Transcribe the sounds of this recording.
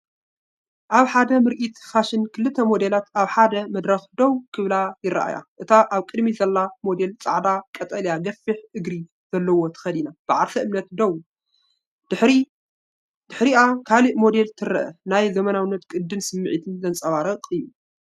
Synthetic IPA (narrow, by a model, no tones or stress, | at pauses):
ʔaβħad̪ɐmɨɾʔit̪faʃɨnkʰɨlːɨt̪ʰːɐmo̞d̪e̞lat̪aβħad̪ɐmɐd̪ɾɐxd̪owkʰɨβlajɪɾɐ̰ʔa̰ja̰ʔɨt̪ʰaʔaβkʼɨd̪mizɐlːamo̞d̪e̞lt͡sʼaʕd̪akʼɐt̪ʼɐljaɡɐfːɨħʔɨɡɾi | z̥ɐlːɐwo̞t̪ʰɨ̥xɐd̪inab̥ɨʕaɾfʰɐʔɨmnɐt̪d̪ow | d̪̥ɨħɾi | d̪̥ɨħɾiʔakʰaliʔmo̞d̪e̞lt̪ʰɨɾɐʔɐ̰najzɐmɐnawɨnːɐt̪kʼɨd̪ːɨnsɨmːɨʕit̪ʰɨnzɐnt͡sʼɐβaɾɐqʼɨjːu